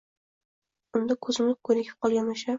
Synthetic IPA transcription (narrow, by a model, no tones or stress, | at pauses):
ʊnd̪akʰɵzɪmlɪkʰɵjɾɪkʲʰɪ̥p̚qʰɒlˠɡʲanaʃa